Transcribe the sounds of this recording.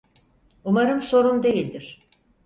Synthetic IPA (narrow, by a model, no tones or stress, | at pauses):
umaɾɯmso̞ɾund̪e̞jilʲd̪iɾ̥